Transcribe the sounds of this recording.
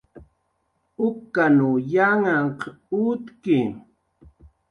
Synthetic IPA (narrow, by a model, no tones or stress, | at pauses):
ʊkːanujaŋaŋqut̪ki